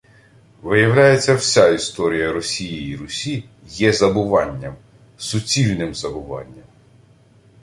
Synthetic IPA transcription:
ʋɪjɐwlʲajet͡sʲːɐwsʲaist̪ɔɾʲijɐɾɔsʲijiiɾʊsʲi | jɛzɐbʊʋɑnʲːɐm | sʊt͡sʲilʲnɪmzɐbʊʋɑ̰nʲːɐm

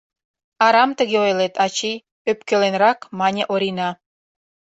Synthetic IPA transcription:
ɑɾɑmt̪ə̆ɣeojlet̪ɑt͡ɕij | øp̚kelenrɑkmɑnʲĕʔoɾinɑ

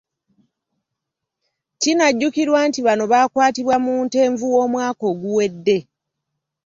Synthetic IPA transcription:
cinaɟːukiɾwaːntiβano̞βaːkwaːtiβwamuːnte̞ːɱvuwo̞ːmwaːko̞ːɡuwe̞dːe̞

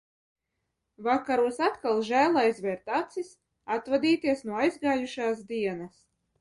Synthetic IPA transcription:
vakaɾuɔsat̪kalˠʒæːlˠajzvʲɛɾt̪at̪sis | at̪vad̪iːt̪iɛsnuɔajzɡaːjuʃaːs̬d̪iɛnas

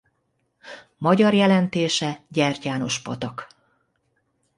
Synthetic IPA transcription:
mɒɟɒrjɛlɛnt̪eːʃɛɟɛrcaːno̞ʃpot̪ɒk

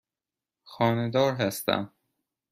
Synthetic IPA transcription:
xɒːned̪ɒːɾɦæst̪æ̰m

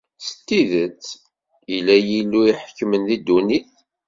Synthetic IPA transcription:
sə̥t̪ːiðət͡sː | ilːæjilːuiħəkːmənðid̪ːuniθ

